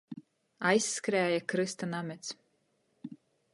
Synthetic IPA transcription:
ajsːkɾæːjakɾɨst̪anamʲɛt̪s

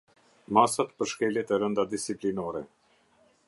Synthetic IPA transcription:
masat̪pəɾʃkɛljɛt̪ɛɾənd̪ad̪isiplinɔɾɛ

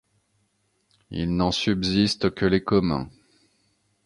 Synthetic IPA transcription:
ḭlnɑ̃sybzist̪kəlekɔmɛ̰̃

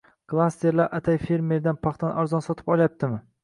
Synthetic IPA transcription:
klˠast̪ʰe̞ɾlaɾʔat̪ʰajfe̞ɾme̞ɾd̪anpʰɑχt̪ʰanʔaɾzɒnsɒt̪ʰɪ̥pɒlˠajap̚t̪ʰɪmɪ

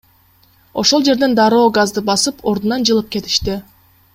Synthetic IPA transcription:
o̞ʃo̞lˠd͡ʒe̞ɾd̪e̞nd̪ɑɾo̞ːɡɑzd̪ɯbɑsɯpʰo̞ɾd̪unɑnd͡ʒɯlˠɯp̚ke̞t̪i̥ʃt̪i

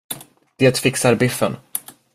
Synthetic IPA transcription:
d̪̥eːt̪fɪksaɾbɪfːən

